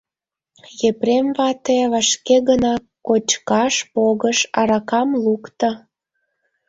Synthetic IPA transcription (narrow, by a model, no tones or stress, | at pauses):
jepremβɑt̪eβɑʃkeɣənɑkkːot͡ɕkɑʃpoɣəʃɑɾɑkɑmlukt̪ə